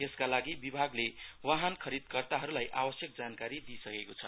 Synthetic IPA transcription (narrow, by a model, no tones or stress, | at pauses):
eskalaɡibibʱaɡlewaɦankʰʌɾid̪kʌrt̪aɦʌɾulajʔabʌsjʌk̚d͡zankaɾid̪isʌkekot͡sʰʌ̰